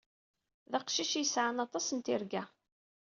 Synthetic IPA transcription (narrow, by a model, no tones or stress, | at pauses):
ðæqʃiʃjəsʕanɑt̪ˤɑsənt̪ɪɾɡæ